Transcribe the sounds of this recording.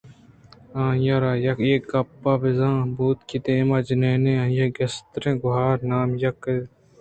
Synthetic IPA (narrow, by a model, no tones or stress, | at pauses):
ãːjɐɾaːjɐkeːkːɐpːaːbɪzãːbuːt̪kid̪ẽːmɐd͡ʒneːnẽãːjɐɡɐst̪ɾẽːɡʊɦaːɾnaːmjɐke